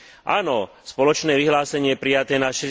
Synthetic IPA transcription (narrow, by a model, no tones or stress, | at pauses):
ʔa̰ːnɔ | spɔlɔt͡ʃnɛːʋiɦlaːsɛɲɪɛjɛpɾijat̪ɛːnaʃɛ